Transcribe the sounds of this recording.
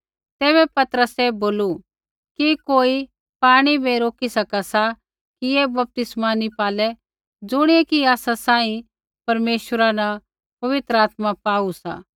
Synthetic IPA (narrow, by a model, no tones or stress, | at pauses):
t̪ɛːβɛpɐt̪əɾəseboːlu | kikoːi | paːɽ̃ibʱiɾoːkisɐkasa | kijebɐp̚t̪ɪsmanipaːlɛ | d͡zʊɽ̃iekiaːsasãːĩ | pɐɾmeːʃəɾanɐ | pɐʋɪt̪ɾəaːt̪mapaːusa̰ː